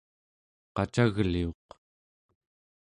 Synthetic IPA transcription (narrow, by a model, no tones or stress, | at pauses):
qɑt͡ʃaɣlioq